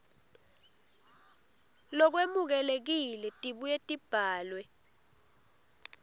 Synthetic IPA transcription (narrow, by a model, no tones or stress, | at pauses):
lɔk̬wemuk̬ɛlek̬ilɛtʼiɓujetʼib̥ʱaːlwɛ